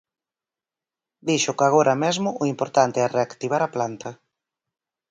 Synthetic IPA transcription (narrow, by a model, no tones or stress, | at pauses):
d̪iʃʊkaɣ̞oɾʔɐmezmʊʔʊimpoɾt̪ant̪eɛreakt̪iβ̞aɾaplant̪ɐ